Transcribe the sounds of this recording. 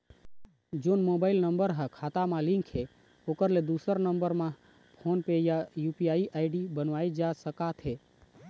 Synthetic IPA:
d͡ʒoːnmoːbaːɪlnə̃mbəɾɦəkʰaːt̪amãlɪ̃ŋkɦe | oːkəɾled̪uːsəɾnə̃mbəɾmã | pʰoːnpejajuːpiaːiʔaːɪɖibənʋaːid͡ʒasəkat̪ʰɦeː

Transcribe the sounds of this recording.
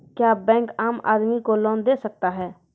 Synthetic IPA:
kjaːbɛ̃ːŋkaːma̰ːd̪mikolɔːnd̪eːsək̚t̪aɦɛː

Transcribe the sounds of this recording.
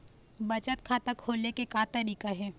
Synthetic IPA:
bɐt͡ʃət̪̚kʰaːt̪akʰoːlekekaːt̪ɐɾiːkaɦɛː

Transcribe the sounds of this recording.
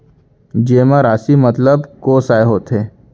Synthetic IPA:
d͡ʒeːmãɾaːsimət̪ləbkoːsaːeɦoːt̪ɦeː

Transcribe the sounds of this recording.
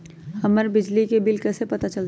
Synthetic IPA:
hɐməɾbɪd͡ʒlikebɪlkɛːsepɐt̪at͡ʃɐl

